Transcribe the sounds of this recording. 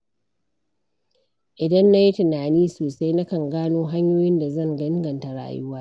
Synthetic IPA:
ʔɪ˨dɐ˦nːa˦ji˦tɪ˨naː˨niː˦soː˨sa˦jna˦kɐ˨ŋɡaː˦noː˦ɦa˦ɲjoː˦jɪ˦nda˨zɐ˦˨ŋɡɐ˦ɪ˦ŋɡɐ˨nta˨ɽa̰ː˨jʊ˦waː˦

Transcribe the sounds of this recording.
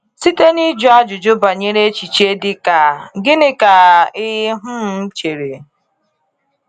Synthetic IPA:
si˦te˦ni˦d͡ʒʊ˦a˦d͡ʒʊ˨d͡ʒʊ˦ba˨ɲe˦ɾe˦t͡ʃi˨t͡ʃe˦dɪ˦ka˨ɡɪ˦nɪ˦ka˨ɪ˦ɦʊ˦m̩˦t͡ʃe˨ɾe˨

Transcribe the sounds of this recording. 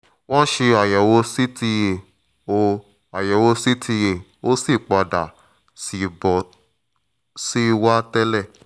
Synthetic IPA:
wɔ̃˦ʃe˧a˨jɛ˨wo˧si˦ti˧je˨ | o˧ | a˨jɛ˨wo˧si˦tʰi˧je˨o˦si˦˨k͡pɔ˧da˨ | si˧bɔ˨ | si˦˧wa˦tɛ˦lɛ˦˨

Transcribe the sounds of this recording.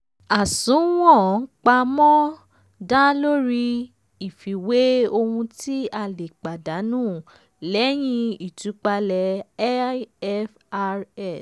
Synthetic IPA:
a˨sũ˨˦w̃ɔ̃˦˨˦k͡pa˧mɔ̃˦ | da˦lo˦ɾi˧ | i˨fi˨we˦o˧hũ˧ti˦a˦˨le˨k͡pa˨da˨˦nũː˦˨ | lɛ˨˦j̃ĩ˧i˦˨tu˨˦k͡pa˧lɛ˨˦ | ɛ˦f | ɛ˦˨s

